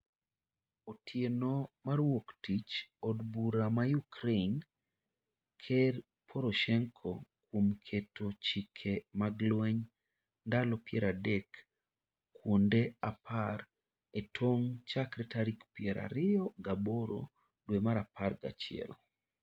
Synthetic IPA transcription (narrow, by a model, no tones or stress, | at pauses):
otʰjenomarwoktit͡ʃɔdbuɾamajukɾen | kʰer | pʰoɾoʃɛŋkʰo̰kwomkʰetʰot͡ʃikʰemaɡlwɛɲ | ndalɔpɪɛɾadekː | wondeapar | etʰoŋt͡ʃakɾɛtaɾikpiɪɛɾʔa̰ɾɪɔɡaboɾo̰ | dwemaɾaparɡa̰t͡ʃɪɛ̰l